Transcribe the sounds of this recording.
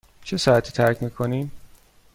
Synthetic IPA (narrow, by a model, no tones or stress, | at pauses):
t͡ʃʰesɒæt̪ʰiːt̪ʰæɾcʰmiːkʰo̞niːm